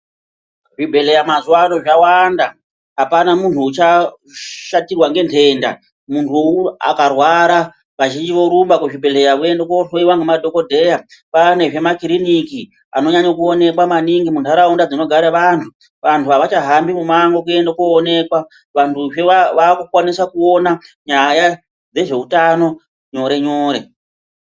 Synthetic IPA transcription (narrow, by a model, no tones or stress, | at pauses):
ʐibʱe̞le̞jamazuwanoʐawanda | ɦapanamuntʰuːt͡ʃa | ʃatirwaŋɡe̞ntʰe̞ːnda̰ | muntʰua̰karwaɾa | ʋaʒind͡ʒiʋo̞ɾumbakuʐibʱe̞le̞jaue̞ndekoɬoiwaŋɡemadʱo̞ko̞dʱe̞japane̞ʐe̞makiɾiniki | a̰no̞ɲaɲokuone̞kwamaniŋɡimuntaɾaundad͡zino̞ɡʱaɾaʋantʰu | ʋantʰuaʋat͡ʃaɦambimumaŋɡokue̞ndakoːne̞kwa | ʋantʰuʐeʋaːkukwanisakuo̞naɲaja | d͡ze̞ʐe̞utano̞ | ɲo̞ɾe̞ɲoːɾe̞̰